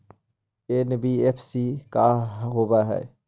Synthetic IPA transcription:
enbiepʰsikaɦobaɦɛ̰ː

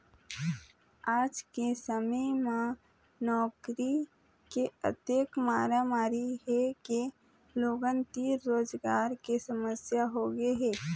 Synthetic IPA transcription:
aːd͡ʒkesəməmã | nɔːkɾi | keə̰t̪eːkmaːɾamaːɾiɦɛke | loːɡənt̪iːɾːoːd͡ʒɡaːɾkesəməsjaɦoɡeɦɛː

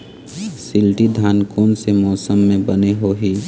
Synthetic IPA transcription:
sɪlʈid̪ʱaːnkoːnsemɔːsəmːẽbəneɦoɦiː

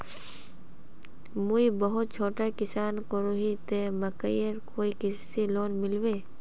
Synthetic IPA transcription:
muibəɦʊt̪̚t͡ʃʰoːʈakɪsaːnkəɾuɦit̪eməkə̰jəɾkoːikɪsiloːnmɪlweː

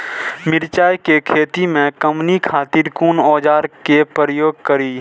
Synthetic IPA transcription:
mɪɾt͡ʃaːjkekʰeːt̪imẽkəmnikʰaːt̪iɾkuːnɔːd͡ʒaːɾkepɾəɾəjoːɡ̚kəɾiː

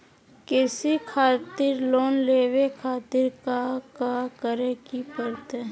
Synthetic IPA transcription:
kɪsikʰaːt̪ɪɾloːnleːwekʰaːt̪ɪɾkakakəɾẽkipəɾt̪e

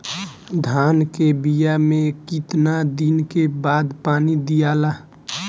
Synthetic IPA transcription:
d̪ʱaːnkebijamẽkit̪nad̪inkebaːd̪paːnid̪ijaːla

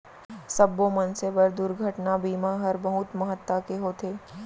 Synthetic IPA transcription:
sɐbːõmɐnsebəɾd̪ʊɾɡʱəʈnabiːmaɦɐɾbɐɦʊt̪mɐɦət̪ːakeɦot̪ʰeː

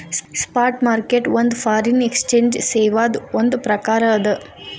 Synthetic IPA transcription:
sspaːɾʈmaːɾkeʈond̪upʰaːɾinekst͡ʃeːnd͡ʒseːʋaːd̪uond̪upɾɐkaːɾɐɐd̪ɐ

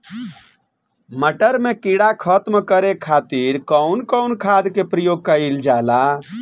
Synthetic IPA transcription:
məʈəɾmekiɽakʰət̪mkəɾekʰat̪iɾkəwnkɔʊnkʰad̪kepɾəjoɡ̚kəild͡ʒala

